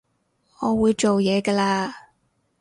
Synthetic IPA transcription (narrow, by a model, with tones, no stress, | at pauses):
ŋɔː˨˧wuː˨˧jt͡ʃo˨wjɛː˨˧kɐː˧laː˧